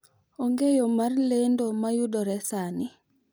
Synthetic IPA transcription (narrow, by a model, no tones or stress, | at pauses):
oŋɡejomarlendomajudɔɾɛsani